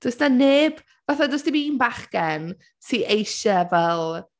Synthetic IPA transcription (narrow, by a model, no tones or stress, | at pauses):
d̥ʊsnaneːb | vaθadʊsdiminbaχɡ̥ɛn | siːʔejʃəvɛlˠ